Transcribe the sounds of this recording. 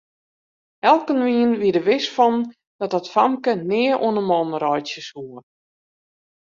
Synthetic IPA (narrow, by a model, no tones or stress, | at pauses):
ɛlˠkənʋiənʋiədəʋɪsfɔn | d̥ɔt̚ɔtfamkənɪːəʔoənəmɔnrɔjtjəshuə